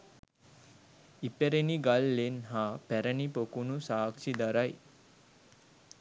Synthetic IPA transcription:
ipeɾeniɡalːenɦaːpæɾənipokunusaːksid̪aɾaj

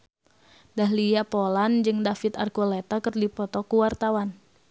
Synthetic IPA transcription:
daɦlijapoland͡ʒɨŋdafit̪a̰rkolet̪akərdipɔt̪ɔkuwart̪awan

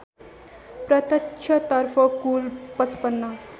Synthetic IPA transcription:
pɾət̪ət͡ɕʰət̪əɾfɔkuːlpət͡spənːa

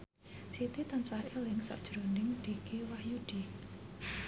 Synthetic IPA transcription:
sit̪it̪ansahelɪŋsɔ̰ʔd̥ʒ̥ɾonɪŋd̪̥ikewahjud̥i

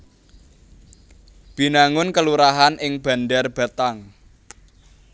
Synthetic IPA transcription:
b̥i̤naŋʊnkəluɾaɦanʔɪŋb̥a̤ndarb̥a̤t̪aŋ

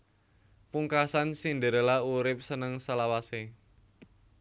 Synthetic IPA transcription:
puŋkasansindəɾəlauɾɪp̚sənəŋsalawase

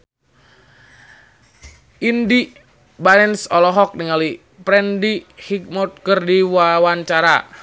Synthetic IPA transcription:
ʔindi | banɛnsɔlɔɦɔk̚niŋali | pɾɛndihik̚mɔt̪̚kərdiwawaɲt͡ʃaɾa

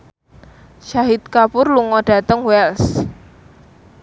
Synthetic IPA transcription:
ʃaɦit̪̚kapʊrluŋɔɖ̥ä̤t̪əŋwɛls

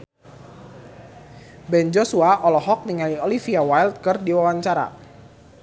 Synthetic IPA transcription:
bɛnd͡ʒosuaʔɔlɔɦɔk̚niŋaliolifiawajlt̪̚kɨrdiwawaɲt͡ʃaɾa̰

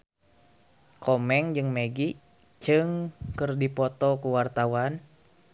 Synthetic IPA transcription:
kɔmɛŋd͡ʒɨŋmeɡi | t͡ʃɨŋkɨrdipɔt̪ɔkuwart̪awan

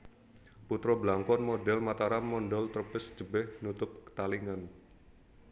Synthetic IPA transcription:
put̪ɾɔblaŋkɔnmodɛlmat̪aɾamːɔndɔlt̪ərpɪsd͡ʒ̥əbɛhnut̪ʊp̚kə̥t̪aliŋan

